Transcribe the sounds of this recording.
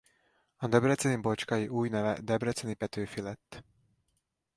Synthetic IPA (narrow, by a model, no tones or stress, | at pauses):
ɒd̪ɛbrɛt̪sɛnibot͡ʃkɒjiʔuːjnɛvɛ̰d̪ɛbrɛt̪sɛnipɛt̪øːfilɛt̪ː